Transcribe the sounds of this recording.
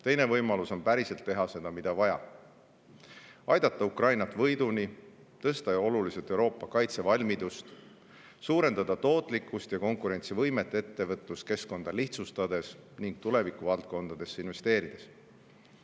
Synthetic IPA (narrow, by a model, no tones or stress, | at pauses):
t̪e̞jne̞vɤjmɑluso̞npæɾise̞lt̪ːe̞ɦɑse̞d̪̥ɑmid̪̥ɑvɑjɑ̰ | ɑjd̪̥ɑt̪ːˑɑukrɑjnɑt̪vɤjd̪̥unʲi | t̪ɤst̪ɑo̞luliset̪ːe̞wɾo̞ːpːˑɑkɑjt̪se̞vɑlʲmid̪ust̪ | suːɾe̞nd̪̥ɑd̪ɑt̪o̞ːt̪ˑlikːˑust̪jɑko̞ŋkuɾe̞nʲt̪sivɤjme̞t̪ːˑeet̪ːe̞vɤt̪ːˑuske̞sko̞nd̪̥ɑliht̪sust̪ɑd̪e̞sniŋɡ̥̚t̪ule̞vikːˑuvɑlt̪̚ko̞nd̪̥ɑd̪̥e̞sːinve̞st̪e̞ːɾid̪̥e̞s